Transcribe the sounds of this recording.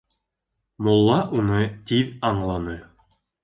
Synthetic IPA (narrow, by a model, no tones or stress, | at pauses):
mŏlˠːɑʔunɤt̪iðɑɴlˠɑnɤ